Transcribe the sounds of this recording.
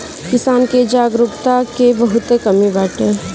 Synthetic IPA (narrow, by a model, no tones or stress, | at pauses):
kɪsaːnked͡ʒaːɡɾʊkt̪akebɐɦʊt̪ekɐmibɛːʈẽ